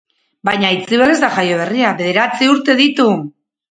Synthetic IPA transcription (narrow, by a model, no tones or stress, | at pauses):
bajɲait͡siβale̞zd̪aʝajo̞β̞e̞riaβe̞ðe̞ɾat͡siuɾt̪e̞ðit̪u